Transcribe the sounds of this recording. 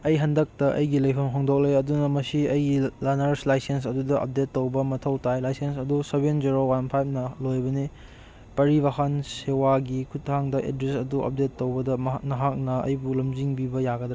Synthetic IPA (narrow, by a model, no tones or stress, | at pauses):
ɐjɦɐndɐk̚tɐʔɐ̰jɡilɐjpʰɐmɦoŋdok̚lejɐdunɐmɐsiɐjɡilanɐɾslajsens̬ɐdudɐʔɐ̰p̚detːowbɐmɐtʰɐwtʰajlajsens̬ɐdusebenziɾowanpʰajb̚ʰnɐlojbɐni | pɐɾibahansewaɡikʰut̚haŋdɐʔḛdɾesɐduʔɐ̰p̚detːowbɐdɐnɐɦak̚nɐɐ̰jbulɐmziŋbibɐjaɡɐd